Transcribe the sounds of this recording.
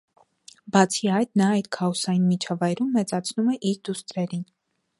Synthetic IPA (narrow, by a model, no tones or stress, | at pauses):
bɑt͡sʰiɑjd̪nɑɑjt̪kʰɑɔsɑjinmit͡ʃʰɑvɑjɾumːɛt͡sɑt͡sʰnumɛʔiɾd̪ust̪ɾɛɾin